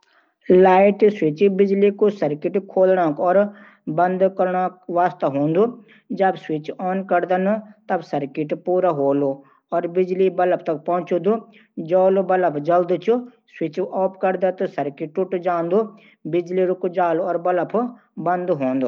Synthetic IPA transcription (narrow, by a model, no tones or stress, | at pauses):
laːɪʈswɪt͡ʃibɪd͡ʒlikosɐɾkɪʈkʰoːlɽãkɔːɾ | bɐ̃nd̪kɐɾɳakʋaːst̪ɐɦõːnd̪u | d͡ʒɐbswɪt͡ʃɔːnkɐɾd̪anɐt̪ɐbsɐɾkɪʈpuːɾaɦoːlo | ɔːɾbɪd͡ʒlibɐləp̚ʰt̪ɐk̚pɐ̃ɦʊ̃t͡ʃod̪u | d͡ʒɔːlobɐləpʰd͡ʒɐld̪t͡ʃʰu | swɪt͡ʃʔɔːpkɐɾd̪at̪osɐɾkɪʈʊʈd͡ʒaːnd̪u | bɪd͡ʒliɾʊkd͡ʒaːloɔːɾbɐləpʰ | bɐ̃nd̪ɦoːnd̪oː